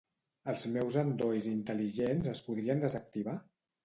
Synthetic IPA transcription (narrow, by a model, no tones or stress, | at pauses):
əlˠzmɛwzənd̪ojzint̪əliʒenzəspuðɾiənd̪əzək̚t̪iβa